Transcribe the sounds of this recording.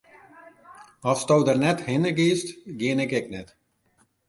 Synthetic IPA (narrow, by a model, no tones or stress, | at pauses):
ɔfstɔwdərnɛthɪnəɡiːstɡiənɛkɛknɛt